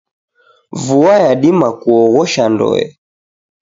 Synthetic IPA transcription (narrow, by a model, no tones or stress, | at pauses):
vuajaɗimakuɔɣɔʃandɔ̰ɛ̰